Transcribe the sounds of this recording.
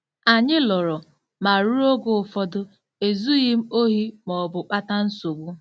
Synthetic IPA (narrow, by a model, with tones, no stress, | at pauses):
a˨ɲɪ˦lɔ˨ɾɔ˨ | ma˨ɾu˦ɾo˦ɡʊ˨ʊ˨fɔ˦dʊ˦ | e˨zu˦ɣɪ˦m̩˦o˦ɦi˦mɔ˨bʊ˨k͡pa˦ta˦n̩˦so˨ɡʷu˦